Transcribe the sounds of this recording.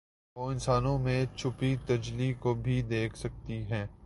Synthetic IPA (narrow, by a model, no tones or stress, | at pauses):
ɦoːɪ̃nsaːnõmẽt͡ʃʰʊpit̪ɐd͡ʒlikobʱid̪eːkʰsɐk̚t̪iɦɛ̃ː